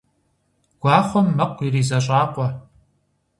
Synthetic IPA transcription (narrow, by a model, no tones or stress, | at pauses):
ɡ̥ʷɑːχʷɔmːɐqʷːiriːzɐɕʼaːqʷʼɔ